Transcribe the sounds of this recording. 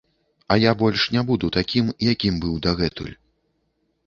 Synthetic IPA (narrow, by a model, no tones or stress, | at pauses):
ɐjabɔlʲʂnʲabud̪ut̪akʲimjakʲimbɨwd̪aɣɛt̪ṵlʲ